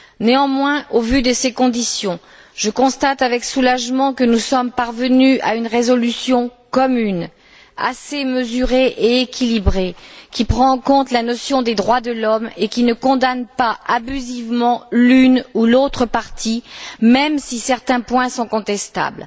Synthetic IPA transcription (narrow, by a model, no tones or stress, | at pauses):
neɑ̃mwɛ̃ʔovyd̪əsekɔ̃d̪isjɔ̃ | ʒ̥əkɔ̃st̪at̪avɛksulaʒmɑ̃kənusɔmpaʁvənyʔaynʁezɔlysjɔ̃kɔmyn | a̰seməzyʁeʔeːkʲʰilibʁekʲipχɑ̃ːɑ̃kɔ̃t̪lanɔsjɔ̃d̪ed̪ʁwad̪əlɔmekʲinəkɔ̃d̪anpaʔabyzivmɑ̃lynulot̪χəpaʁt̪ʰimɛmsisɛʁt̪ɛ̃pwɛ̃sɔ̃kɔ̃t̪ɛst̪a̰bl